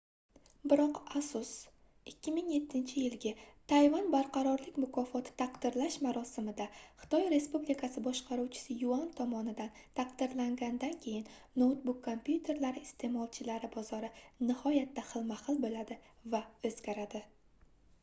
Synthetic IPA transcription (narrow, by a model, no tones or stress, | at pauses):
bɪɾɒqasʊs | ɪkʲʰːɪmɪŋje̞t̪ʰːɪnt͡ʃʰɪjɪlɡʲat̪ʰajvanbaɾqʰɑɾɒɾlɪkʲmʊkʰɒfɒt̪ʰɪ̥t̪ʰaqd̪ɪɾlaʃmaɾɒsɪmɪd̪aχɨ̥t̪ʰɒjɾe̞spublikʰasɪbɒʃqʰɑɾuwt͡ʃʰɪ̥sɪjʊɒnt̪ʰɒmɒnɪd̪an | t̪ʰaq̚d̪ɪɾlaŋɡʲand̪ankʲʰe̞jɪnnowt̪bukʰːompjut̪ʰe̞ɾlaɾɪːst̪ʰe̞mɒlˠt͡ʃʰɪlaɾɪbɒzɒɾɪnɪhɒjat̪ʰːaχɨlˠmaχɨlˠbolad̪ɪvaɵzɡʲaɾad̪ɪ